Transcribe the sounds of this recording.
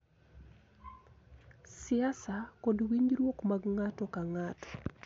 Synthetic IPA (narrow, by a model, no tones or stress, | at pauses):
sɪasakodwiɲɾwokmaɡŋatɔkaŋatɔ̥